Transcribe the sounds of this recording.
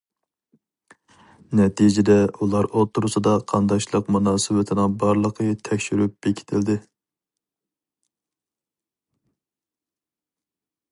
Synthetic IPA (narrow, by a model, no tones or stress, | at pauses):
nɛt̪ʰid͡ʒɪd̪ɛulˠɑɾot̪ʰːuɾɨsɑd̪ɑqʰɑnd̪ɑʃlˠəqmunɑːsɨwɪt̪ʰɪnɪŋbɑɾlˠəqʰət̪ʰɛkʲʃyɾyp̚b̥ekʲʰi̥t̪ʰɪld̪ɪ